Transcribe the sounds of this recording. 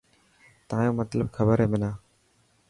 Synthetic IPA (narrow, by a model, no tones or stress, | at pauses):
t̪aːjõːmət̪ləb̚kʰəbəɾeːmɪnaː